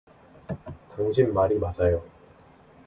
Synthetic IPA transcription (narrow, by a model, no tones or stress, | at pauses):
taŋɕ̬ʰimːaɾimad͡ʑajo